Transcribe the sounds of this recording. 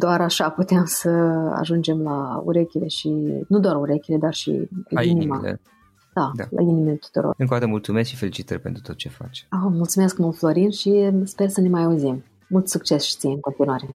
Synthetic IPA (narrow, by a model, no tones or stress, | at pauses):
d̪oaɾaʃaput̪eemsəa̰ʒund͡ʒe̞mlaṵɾe̞kʲile̞ʃinud̪owaruɾe̞kʲile̞d̪arʃḭinimaḛ | d̪̥ad̪a̰lʔa̰inimelt̪u̥t̪uɾo̰rɨŋkod̪at̪əmult̪sumeskʃifelit͡ʃit̪əɾʲpe̞nt̪ɾu̥t̪o̞t̪̚t͡ʃe̞fa̰t͡ʃomult̪sume̞skmulflo̞ɾinʃispe̞rsəne̞majauzim | mult̪sukt͡ʃe̞sʃi̥t̪sijeɨŋko̞nt̪inuaɾe̞